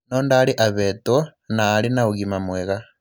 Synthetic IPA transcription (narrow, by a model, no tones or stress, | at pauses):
nondaliʔaβetonaːlinauɣimamweɣa